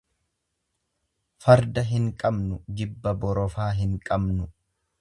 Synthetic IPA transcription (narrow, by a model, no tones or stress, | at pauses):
fɐɾd̪ɐɦɪŋkʼɐbnʊɡɪbːɐbɔɾɔfaːɦɪŋkʼɐbnʊ